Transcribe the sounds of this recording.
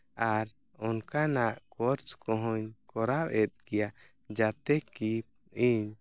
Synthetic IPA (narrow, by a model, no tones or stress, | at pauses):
aɾ | ɔnkanaʔkɔɾt͡ʃkɔɦɔɲkɔɾabɛt̪̚ɡɛjaʔ | d͡ʒat̪ɛki | iɲ